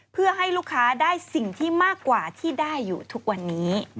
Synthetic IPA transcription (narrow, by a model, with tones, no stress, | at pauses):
pʰɯ˥˩ɐɦa˥˩jluː˥˩kʰːaː˦˥daː˥˩jsi˨˩ŋt̪ʰiː˥˩maː˥˩kːwaː˨˩t̪ʰiː˥˩daː˥˩jːuː˨˩t̪ʰu˦˥k̚wa˧nːiː˦˥